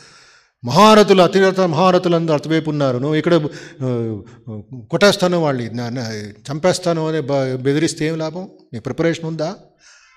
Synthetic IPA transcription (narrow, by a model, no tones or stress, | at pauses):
mɐɦaːɾɐt̪ulɐt̪iɐt̪ɐmɐɦaːɾɐt̪ulɐnt̪ɐɐt̪ɐbeːpunːaːɾunuikːɐɽɐ | kɔʈːɛːst̪aːneʋaːɭnint͡ʃɐmpɛːst̪aːnuɐnebed̪iɾist̪eeːmilaːbɐmmiːkupɾɐpɐɾeːʂɐnund̪aː